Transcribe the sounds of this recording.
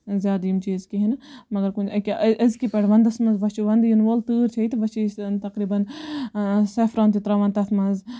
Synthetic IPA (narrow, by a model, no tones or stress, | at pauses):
zjaːd̪ijmt͡ʃiːzkiɦinmɐɡɐɾkũnt͡ʃʰɐkʲaʔʔɐzkipɐɽʋɐnd̪ɐsmɐnzʋɐt͡ʃuʋɐnd̪jinʋoːlt̪ɨːɾt͡ʃʰɐit̪ʋɐt͡ʃit̪ɐkɾiːbɐn | seːfɾãːnt̪it̪ɾɐʋɐnt̪ɐt̪ʰmɐz